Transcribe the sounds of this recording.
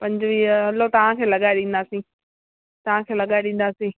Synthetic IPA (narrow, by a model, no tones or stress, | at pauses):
pɐ̃ɲd͡ʑʋiɐlot̪ɐʋ̤ãkʰeːlɐɠaːɪɗĩːn̆d̪aːsĩː | t̪ɐʋ̤ãkʰeːlɐɠaːɪɗĩn̆d̪aːsĩː